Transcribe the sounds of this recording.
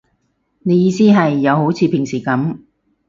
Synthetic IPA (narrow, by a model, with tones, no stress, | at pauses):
ne˨˧jiː˨˧siː˥ɦɐ˨jːɐ˨˧who˨˥wt͡sʰiː˨˧pʰɪ˨˩ŋsiː˨˩kɐ˨˥m